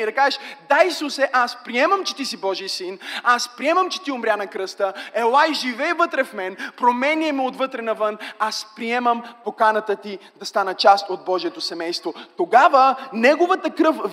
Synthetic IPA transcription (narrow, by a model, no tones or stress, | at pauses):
ɛd̪ɐkazɛʃd̪aisusɛʔaspɾiɛmɐmt͡ʃɛ̥t̪isibɔʒijsinaspɾiɛmɐmt͡ʃɛ̥t̪iʊmɾʲjanɐkɾɤst̪əɛlˠajʒivɛjvət̪ɾɛfmɛnpɾomɛniɛmiot̪vɤt̪ɾɛnɐvɤnaspɾiɛməmpokanət̪ət̪id̪ɐst̪anət͡ʃast̪od̪̚bɔʒiɛt̪osɛmɛjst̪vot̪oɡavənɛɡovət̪əkɾɤf